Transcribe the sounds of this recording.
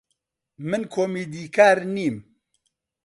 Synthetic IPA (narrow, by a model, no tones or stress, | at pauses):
mɨnkʰoːmiːd̪iːkʰaːɾniːm